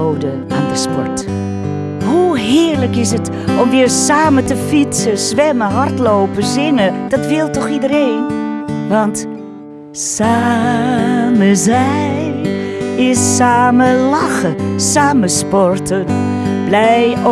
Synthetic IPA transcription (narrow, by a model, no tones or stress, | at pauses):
owdə | aːndəspɔɹt | huɦɪːɹləkɪsət | ɔmʋɪːɹsaːmətəfitsəzʋɛməɦɑrtlowpəzɪnəd̥ɑtʋɪlˠtɔχidəɾeːnʋɑnt | saː | məzɛ | ɪsːaːməlɑxəsaːməspɔɹtən | blɛj